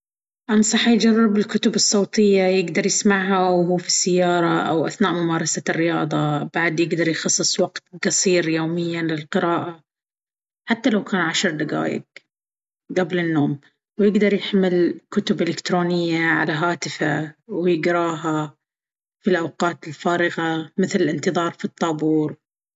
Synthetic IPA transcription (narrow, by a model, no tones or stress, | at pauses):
ʔɑnsˤɑħjd͡ʒarˤːɪbɪlkʊt̪ʊbɨsˤːoːt̪ˤɪjːajɪɡd̪ɑɾˤjɪsmaʕɦawɦuːfi̥sːajːɑːɾˤɑʔa̰wʔa̰θnaːʔmʊmɑːɾˤɑsarːɪjɑ̰ːðˤɑb̥aʕd̪jɪɡd̪ɑɾˤjxɑsˤːɨsˤwaɡt̪̚qɑsˤiːɾjoːmɪjːanlɪlqɪɾɑːʔa | ħat̪ːalawkaːnʕaʃɾd̪aɡa̰ːjɪ̰ɡ | ɡablɪnːoːm | wjɪɡd̪ɑɾˤjaħmɪlkʊt̪ʊbʔɪlɪkt̪ɾoːnɪjːaʕa̰laɦaːt̪ɪfawjɪɡɾˤɑːɦa | filʔawqɑːt̪ɪlfaːɾɪɣamɪθlɪlʔɪnt̪ɨðˤɑːɾˤfit̪ˤːɑːbuːɾ